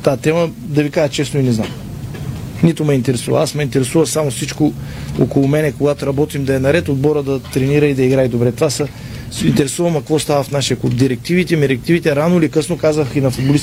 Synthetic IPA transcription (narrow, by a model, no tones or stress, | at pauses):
t̪at̪ɛmə | d̪ɐvikaʒət͡ʃɛsnʊinɛzna̰m | nit̪ʊmɛint̪ɛɾɛsuvɐ̰asmɛint̪ɛɾɛsuvɐsamofsit͡ʃkoo̰kolˠʊmɛnɛkoɡat̪oɾɐbɔt̪imd̪ɐɛnɐɾɛt̪od̪̚bɔɾəd̪ɐt̪ɾɛniɾəid̪ɐiɡɾaid̪obɾɛt̪ovasə | int̪ɛɾɛsuvɐmɐkvɔst̪avəfnaʃiəklup̚d̪iɾɛk̚t̪ivit̪ɛmɛɾɛk̚t̪ivit̪ɛɾanʊilikɤsnokazvəxinɐfʊd̪bolis